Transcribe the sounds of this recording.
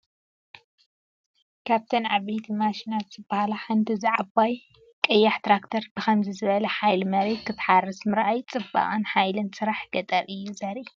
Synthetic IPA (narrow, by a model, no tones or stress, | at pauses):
kʰaβt̪ʰɨnʕaβejt̪ʰimaʃinat̪z̥ɨbahalaħant̪ʰiziʕabaj | kʼɨjːaħt̪ʰɾakt̪ʰɐɾbɨxɐmzɨzɨβɐlɐħajlmɐɾet̪kʰɨt̪ħarɨsmɨɾʔajt͡sʼɨbːa̰ʔʼɨnħajlɨnsɨɾaħɡ̥ɐt̪ʼɐɾʔɨjːuzɐɾi